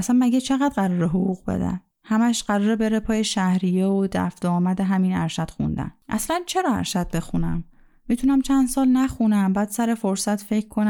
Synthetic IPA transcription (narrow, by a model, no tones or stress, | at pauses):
æsænmæɟet͡ʃʰeɣæd̪ɢæɾɒːɾeɦoɣuɣbḛd̪æ̰m | hæmæʃɢ̥æɾɒːɾebe̞ɾepʰɒːjeʃæhɾijeod̪æ̰fd̪̥ɒːmæd̪eɦæminæɾʃæd̪̥xṵnd̪æ̰nʔæslænt͡ʃʰe̞ɾɒːæ̰ɾʃæd̪̥̚be̞xunæ̰mː | it̪ʰunæmt͡ʃʰænd̪̥sɒːlnæxunæmbæːd̪̥sæɾe̞fo̞ɾsæt̪ʰfe̞cʰkʰo̞næ